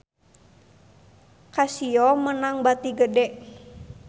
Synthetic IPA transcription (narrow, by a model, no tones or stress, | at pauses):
kasiɔmənaŋbat̪iɡədɛʔ